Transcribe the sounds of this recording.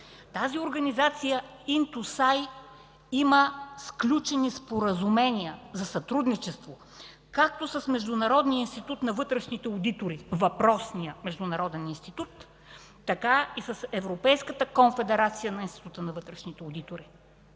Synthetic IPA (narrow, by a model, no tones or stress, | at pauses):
t̪azioɾɡɐnizat̪sijəint̪usaj | iməsklʲut͡ʃɛnispoɾəzumɛniəzɐsɐt̪ɾud̪nit͡ʃɛst̪vo | kak̚t̪osəsmɛʒd̪ʊnɐɾɔd̪nijəinst̪it̪ut̪nɐvɤt̪ɾɛʃnit̪ɛod̪it̪oɾivɐpɾɔsnijəmɛʒd̪ʊnɐɾɔd̪ɛninst̪it̪ut̪ː | ɐkaisəsɛvɾopɛjskət̪əkonfɛd̪ɛɾat̪sijənɐinst̪i̥t̪ut̪ənɐvɤt̪ɾɛʃnit̪ɛod̪it̪oɾi